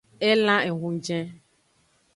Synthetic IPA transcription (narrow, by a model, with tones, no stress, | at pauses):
ɛ˦lã˦e˨ɦũ˨d͡ʒɛ̃˦